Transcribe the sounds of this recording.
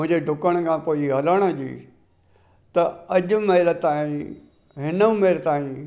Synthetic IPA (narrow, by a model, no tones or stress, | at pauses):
ʊ̃ɪ̃ɲd͡ʑeɖʱʊkəɽ̃kʰãpoːiɦɐləɽ̃əd͡ʑḭː | t̪ɐɐʄʊ̆mɐɪlt̪aːĩ | ɦɪnəmeɾt̪aːĩ